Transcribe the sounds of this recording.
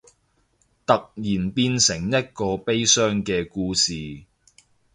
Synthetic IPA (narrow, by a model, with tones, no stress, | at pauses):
t̪ɐ˨k̚jiː˨˩npiː˧nsɪ˨˩ŋjɐ˥t̚kɔː˧pe˥jsœː˥ŋkɛː˧kuː˧siː˨